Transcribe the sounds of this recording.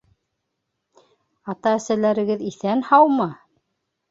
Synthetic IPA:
ɑt̪ɑæ̆sælæɾɘ̆ɡɘðiθænhɑwmɤ

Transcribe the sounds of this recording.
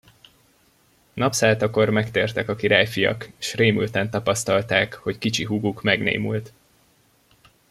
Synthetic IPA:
nɒpsaːt̪ɒko̞rmɛkt̪eːrt̪ɛkɒkiɾaːjfijɒ̰keʃreːmy̰lt̪ɛnt̪ɒpɒst̪ɒlt̪aːkho̞ckit͡ʃiɦuɡukmɛɡnḛːmy̰lt̪

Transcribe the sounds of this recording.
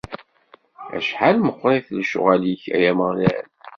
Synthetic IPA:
æ̰ʃħalməqʷːɾˤeθlʃʊ̰ʁæliçæ̰jæməʁlæ̰n

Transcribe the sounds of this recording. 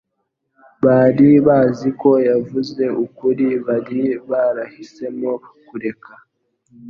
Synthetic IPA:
βaːɾiβaːziko̞javuze̞ʔukuɾiβaɾiβaɾahise̞mokuɾe̞ka

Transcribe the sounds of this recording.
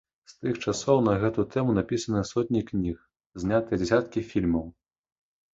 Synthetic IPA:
st̪ɨxt͡ʂasɔwnɐɣɛt̪ut̪ɛmunapʲisɐnɐsɔt̪ʲnʲiknʲix | zʲnʲat̪ɨjɛd͡zʲɛsʲat̪̚kʲifʲilʲmɐw

